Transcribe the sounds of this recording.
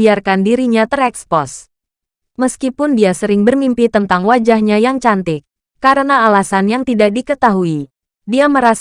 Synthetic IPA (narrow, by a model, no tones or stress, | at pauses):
iarkandiɾiɲat̪ərɛkspɔs | məskipʊndiasəɾɪŋbərmimpit̪ənt̪aŋwad͡ʒahɲajaŋt͡ʃant̪ɪkː | aɾənaːlasanjaŋt̪idak̚dikət̪aɦui | diaməɾas